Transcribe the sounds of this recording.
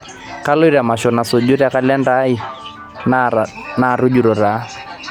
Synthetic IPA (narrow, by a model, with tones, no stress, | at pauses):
ka˦lo˦i˦ɾa˨ma˨ʃɔ˨na˨so˨d͡ʒu˦ɾa˨ka˦lɛ˦nda˦i˦ | na˨ɾʊ˦d͡ʒu˨ɾɔ˨ɾa˨˦